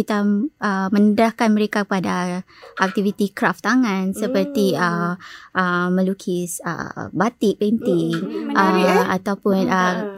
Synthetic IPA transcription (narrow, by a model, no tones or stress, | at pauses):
it̪aʔəmə̃nədɾahkanməɾekakəpadaʔak̚t̪ivit̪ikɾaft̪aŋãnsəpərt̪iəəmə̃lukʰisə̰bat̪iʔbɛnt̪iŋʔəa̰t̪awpʊnə